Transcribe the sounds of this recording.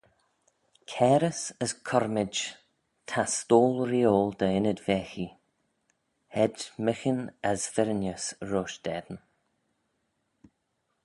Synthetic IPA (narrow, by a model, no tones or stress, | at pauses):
kʰɛːɾəsəskʰɔɾmɪ̥d͡ʒ | t̪ʰast̪oːlˠɾiːoːld̪əɪnəd̪vɛːxi | hɛdmɪxənəzvɪɾənjəsɹoːʃd̪̥ɛd̪ən